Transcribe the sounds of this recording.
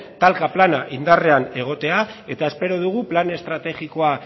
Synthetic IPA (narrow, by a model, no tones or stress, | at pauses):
t̪alkaplanaʔind̪are̞ane̞ɣ̞o̞t̪e̞ae̞t̪ae̞spe̞ɾo̞ð̞uɣ̞uplane̞st̪ɾat̪e̞ɣiko̞a